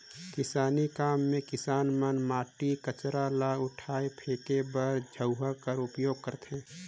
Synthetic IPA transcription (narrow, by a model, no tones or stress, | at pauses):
kɪsaːnikaːmːẽkɪsaːnmənmaːʈikət͡ʃɾalaʊʈʰaːepʰeːkebəɾd͡ʒʱəʊɦəkəɾʊpjoːɡ̚kəɾt̪ɦɛ̃ː